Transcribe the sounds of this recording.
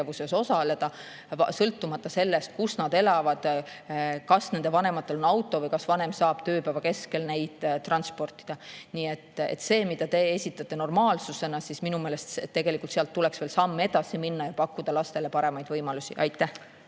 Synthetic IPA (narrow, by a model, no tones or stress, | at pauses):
evuse̞so̞sɑle̞d̪̥ɑ | sɤlt̪ːˑumɑt̪ːˑɑse̞lːe̞st̪̚kusnɑd̪e̞lɑvɑd̪̥ | kɑsne̞nd̪̥e̞vɑne̞mɑt̪ˑːe̞lo̞nɑwt̪ːˑo̞vɤjkɑsvɑne̞msɑːb̥t̪ø̞ːpævɑke̞ske̞lne̞jd̪̥t̪ːrɑnspo̞rt̪ːˑi̥d̪̥ɑniːet̪ːḛt̪ːse̞ːmid̪̥ɑt̪e̞esʲit̪ːˑɑt̪ːe̞no̞rmɑːlsuse̞nɑsisminumeːlest̪ett̪ːe̞ɡe̞likult̪seɑlt̪ːuleksve̞ːlsɑmːe̞d̪ɑsiminːɑjɑpɑkːud̪̥ɑlɑst̪e̞le̞pɑɾe̞mɑjd̪vɤjmɑlusiʔɑjt̪ːˑæh